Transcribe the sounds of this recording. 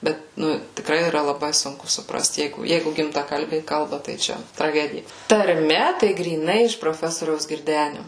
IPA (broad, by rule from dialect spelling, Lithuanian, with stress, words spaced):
ˈbʲɛt ˈnʊ tʲɪkˈrɐɪ iːˈrɐ lˠɐˈbɐɪ ˈsʊŋkʊ sʊpˈrɐst ˈjɛɪɡʊ ˈjɛɪɡʊ ɡʲɪmtɐˈkɐlʲbʲɛɪ ˈkɐlˠbɐ tɐɪ ˈt͡ʃʲɛ trɐˈɡʲæːdʲɪjɛ tɐrʲˈmʲɛ tɐɪ ɡrʲiːˈnɐɪ ɪʃ proːˈfʲæːsoːrʲɛʊs ɡʲɪrʲˈdʲæːnʲʊ